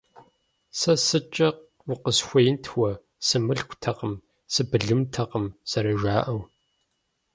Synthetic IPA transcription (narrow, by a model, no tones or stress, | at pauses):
sɐsɨt͡ʃʼɐq | wʊqəsxʷɐjɪntʰwɐ | sɨmɨɬkʷtʰɐqəm | sɨbɨɮɨmtʰɐqəmsɐɾɐʒaːʔɐw